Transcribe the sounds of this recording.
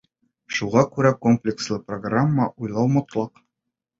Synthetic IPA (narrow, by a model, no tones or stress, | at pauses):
ʃuʁɑkʉɾækomplʲɪkslˠɤproɡramːəʔujlˠɑwmŏt̪lˠɑq